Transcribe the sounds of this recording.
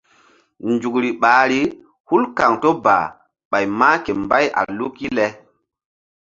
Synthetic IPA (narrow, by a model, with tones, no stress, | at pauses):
nd͡ʒu˨kɾi˨ɓaː˨˦ɾi˦ | hu˦lka˨ŋto˦ba̰˨ | ɓa˨jmaː˦ke˨mba˦ja̰˨lu˦kːi˦lɛ˦